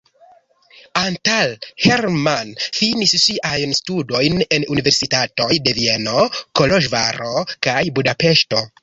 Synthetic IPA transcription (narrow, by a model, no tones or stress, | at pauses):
antalhe̞ɾmanfinisʃiʔajnstudo̞jne̞nunive̞ɾsitato̞jde̞vie̞no̞ko̞lo̞ʒva̰ɾo̞kajbudape̞ʃto̞